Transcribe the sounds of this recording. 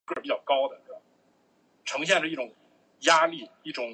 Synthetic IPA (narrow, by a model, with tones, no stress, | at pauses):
kpi˧˥˩t͡ɕjɑ˥˩ʊkɑ˥ʊd̪ə˨t̪a˨˩ | ʈ͡ʂʰɤ˧˥ŋɕ̬jɛ˥˧nʂɻ̩˥˧˥ʈ͡ʂʊ˨˩ŋ | ja˥li˥˩i˥˩ʈ͡ʂʊ˨˩